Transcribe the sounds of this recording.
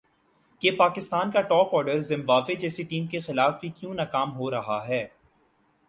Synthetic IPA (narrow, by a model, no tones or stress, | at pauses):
kepaːkɪst̪aːnkaʈɔːpɔːɾɖəɾzɪ̃mbaːʋed͡ʒɛːseʈiːmkexɪlaːfbʱikjũːnaːkaːmɦoɾɐɦaɦɛː